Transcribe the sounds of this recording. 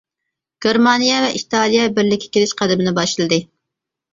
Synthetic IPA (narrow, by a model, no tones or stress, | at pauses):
ɡ̥ʲeɾmɑnijɛvɛʔit̪ʰɑlˠijɛbɪɾlɪkʲʰːɛ̥kʲʰelɪʃqʰæd̪ɪmɪnɪbɑʃɨlˠɨd̪ɨ